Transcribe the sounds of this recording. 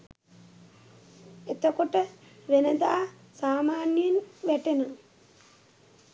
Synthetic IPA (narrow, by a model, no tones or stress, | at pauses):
et̪əkoʈəʋenəd̪aː | saːmaːnjenʋæʈenə